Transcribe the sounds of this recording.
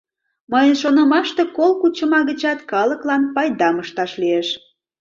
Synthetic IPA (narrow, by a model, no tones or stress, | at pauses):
məjənʃonə̆mɑʃt̪e̽kolkut͡ɕə̆mɑɣət͡ɕɑt̪kɑləklɑnpɑjd̪ɑməʃt̪ɑʃlieʃ